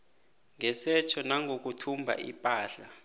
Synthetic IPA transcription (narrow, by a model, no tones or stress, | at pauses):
ŋɛsɛt͡ʃʰɔnaŋʱok̬utʰumbʱa̰ʔḭpʼaːɬa